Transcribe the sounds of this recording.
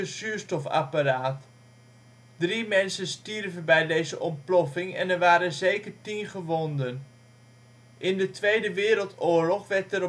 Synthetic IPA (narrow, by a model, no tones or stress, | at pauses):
əsyːɹstɔfa̰paraːt | drimɛnsənstirvənbɛjdejzəʔɔmplɔfɪŋɛ̰nɛɹʋaːɾənzejkəɹtinχəʋɔndən | ʔɪndətʋejdəʋɪːɾəlˠtʊːɹlɔχʋɛɹtɛɾ